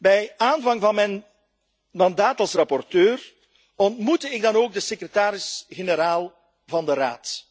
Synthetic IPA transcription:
bɛjaːnvɑŋvɑnmɛn | mɑndaːtɑlˠsrɑpɔrtøːr | ɔntmutəɪɡ̚dɑnoːɡ̚dəsekrətaːɾɪsɣenəɾaːlˠ | vɑndəɾa̰ːt

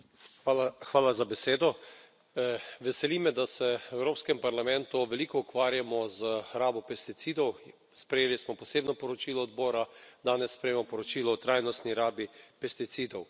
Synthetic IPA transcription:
xʋaːlazabɛseːd̪ɔ | ʋɛsɛliːmɛd̪asɛɛwɾoːpskɛmpaɾlamɛ̃nt̪uʋɛlikɔukʋaːɾjamɔzəɾaːbɔpɛst̪it̪siːd̪ɔw | spɾɛjeːlismɔpɔseːbnɔpɔɾɔt͡ʃilɔːd̪bɔːɾad̪aːnɛsːpɾɛjeːmɔpɔɾɔt͡ʃiːlɔːt̪ɾajnɔst̪niɾaːbipɛst̪it̪siːd̪ɔw

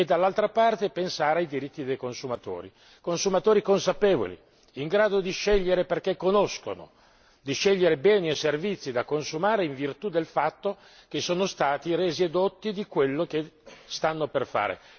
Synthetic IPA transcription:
ed̪alːalt̪ɾapart̪epensaːɾeajd̪iɾit̪ːid̪ejkonsumat̪o̰ːɾḭ | konsumat̪oːɾikonsapeːvo̰lḭ | iŋɡɾaːd̪od̪iʃɛʎːeɾeperkekːonosko̰no̰ | d̪iʃɛʎːeɾebɛːnieservit̪sːid̪akonsumaːɾeiɱvirt̪ud̪elfat̪ːo | k̟esːoːnost̪aːt̪iɾeːzied̪ot̪ːid̪ikwelːok̟est̪anːoperfa̰ːɾḛ

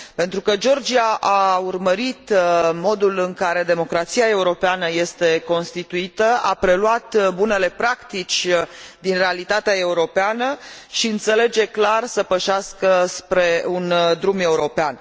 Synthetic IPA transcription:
pe̞nt̪ɾukəd͡ʒo̞rd͡ʒiaʔaurməɾit̪mo̞d̪ulɨŋkaɾe̞d̪e̞mo̞kɾat̪siae̞uɾo̞peanəje̞st̪e̞ko̞nst̪it̪uit̪əa̰pɾe̞luat̪bune̞le̞pɾakt̪it͡ʃʲd̪inre̞alit̪at̪eae̞uɾo̞peanəʃiɨnt̪se̞le̞d͡ʒe̞klarsəpəʃaskəspɾe̞und̪ɾume̞uɾo̞pean

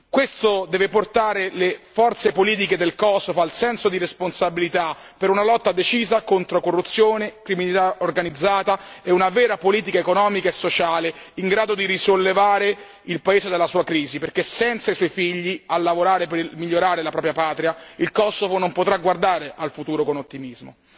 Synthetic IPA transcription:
kwest̪od̪ɛːveport̪aːɾelefɔrt̪sepoliːt̪̬iked̪elkɔsovoalsɛnsod̪iɾesponsabilit̪a | peɾunalɔt̪ːad̪et͡ʃiːzakont̪ɾokorːut̪sːjoːnekɾiminit̪aorɡanid̪zːaːt̪aeunavɛːɾapoliːt̪̬ikaekonɔːmikaesːot͡ʃaːleiŋɡɾaːd̪od̪iɾisolːevaːɾe | ilpaeːzed̪elːasuːakɾiːziperk̟esɛnt̪saisɔjfiʎːialːavoɾaːɾepemiʎːoɾaːɾelapɾɔːpɾjapaːt̪ɾiailkɔsovonompot̪ɾaɡward̪aːɾeʔalfut̪uːɾokonot̪ːimizmo̰

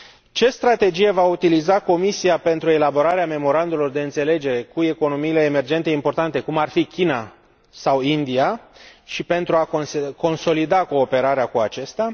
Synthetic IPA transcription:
t͡ʃe̞st̪ɾat̪e̞d͡ʒije̞vaut̪ilizako̞misiape̞nt̪ɾue̞labo̞ɾaɾeame̞mo̞ɾand̪ulo̞rd̪e̞ɨnt̪se̞le̞d͡ʒe̞ɾe̞kue̞ko̞no̞miːle̞ːme̞rd͡ʒe̞nt̪e̞impo̞rt̪ant̪e̞kumarfikʲina | sawind̪iaʃipe̞nt̪ɾuakko̞nso̞lid̪ako̞ːpe̞ɾaɾeakuat͡ʃest̪a

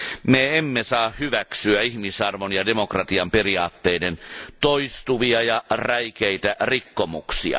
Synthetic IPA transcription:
meemːesɑːhhyʋæksyæihmisɑrʋonjɑdemokrɑt̪iɑmperiɑːt̪ːeident̪oist̪uʋiɑjɑræjkeit̪ærikːomuksḭɑ̰

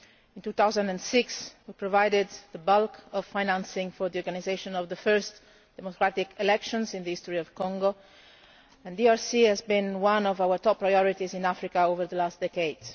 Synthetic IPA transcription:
ĩnt̪ut̪awzãndɛ̃nsɪkswipɹɔvajdɪd̪ðəbalkʰɔv̥fajnãnsɪ̃ŋfɔɾðiɔɹɡanizeʃɔ̃nɔvðəfɜɹst̪ | d̥ɛmokɾat̪ikʰelɛkʃɔ̃nzĩnðəist̪ɔɹiɔv̥kɔ̃ŋɡo | ɛ̃ndiaɹsihɛzbĩnwãnɔvawəɹt̪ɔpːɹajɔɹit̪izĩnafɾikaovəɾðəlastd̪ɛkeɪds

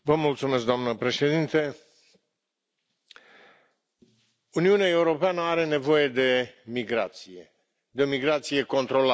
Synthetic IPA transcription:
vəmult̪sume̞s̬k̚d̪oamnəpɾe̞ʃe̞d̪int̪e | uniuneae̞uɾo̞peanəaɾe̞ne̞vo̞je̞d̪e̞miɡɾa̰t̪sije | d̪eo̞miɡɾat̪sije̞ko̞nt̪ɾo̞la

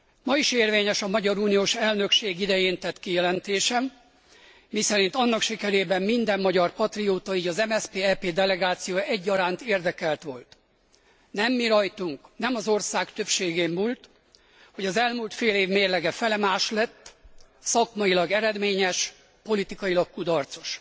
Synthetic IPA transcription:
mɒiʃeːrveːɲɛʃɒmɒɟɒɾuːnijoːʃɛlnø̞kʃeːɡid̪ɛjeːnt̪ɛt̪ːkijɛlɛnt̪eːʃɛmː | isɛɾin̪t̪ɒnːɒkʃikɛɾeːbɛmːind̪ɛmːɒɟɒrpɒt̪rijoːt̪ɒiːɟɒzɛmɛspeːɛpeːd̪ɛlɛɡaːt̪sijoːjɛɟːɒɾaːnt̪eːrd̪ɛkɛlt̪ʋo̞lt̪ | nɛmːiɾɒjt̪uŋknɛmɒzo̞rsaːkt̪ø̞pʃeːɡeːmmuːlt̪ | ho̞ɟɒzɛlmult̪feːleːvmeːrlɛɡɛfɛlɛmaːʃlɛt̪ː | sɒkmɒilɒɡɛɾɛd̪meːɲɛʃ | po̞lit̪ikɒjilɒkkud̪ɒrt̪so̞̥ʃ

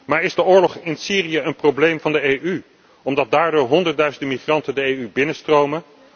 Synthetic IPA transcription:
maːɹɪzdəʊːɹlɔχɪnsiːrijəənprowblejmvɑndəejʔy | ɔmdɑt̚daːɹdʊːɹɦɔndəɹt̚dœɥzəndəmiχrɑntəndəejybɪnəstrowmə

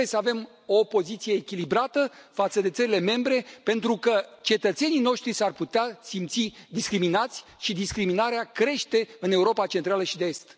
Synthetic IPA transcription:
jesəave̞m | o̞po̞zit̪sije̞ːkʲilibɾat̪əfat̪səd̪e̞t̪səɾile̞me̞mbɾe̞pe̞nt̪ɾukət͡ʃe̞t̪ət̪se̞nijno̞ʃt̪ɾisarput̪easimt̪sid̪iskɾiminat̪sʲʃid̪iskɾiminaɾeakɾe̞ʃt̪e̞ɨne̞uɾo̞pat͡ʃe̞nt̪ɾaləʃid̪eest̪

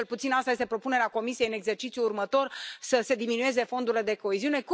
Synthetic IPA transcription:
lput̪sinast̪ajest̪e̞pɾo̞pune̞ɾeako̞misieɨne̞ɡze̞rt͡ʃit̪sijuːrmət̪o̞rsəse̞d̪iminue̞ze̞fo̞nd̪uɾile̞d̪e̞ko̞eziune̞ku

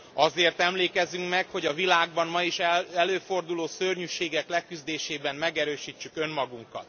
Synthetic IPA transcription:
ɒzeːrt̪ɛmleːkɛzyŋkmɛkho̞ɟɒvilaːɡ̚bɒnmɒiʃɛɛløːfo̞rd̪uloːsørɲyʃeːɡɛklɛkyzd̪eːʃeːbɛmmɛɡɛɾøːʃit͡ʃːykø̞mmɒɡuŋkɒ̰t̪

